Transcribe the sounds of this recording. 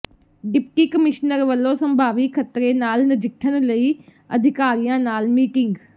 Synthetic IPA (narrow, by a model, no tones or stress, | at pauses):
ɖɪp̚kiːkəmɪʃnəɾʋəlːõːsəmbʱaːʋikʰət̪ɾeːnaːlnəd͡ʒɪkʰːənləiː | ə̰d̪ʱɪkaːɾijãːnaːlmiːkɪ̃ŋɡ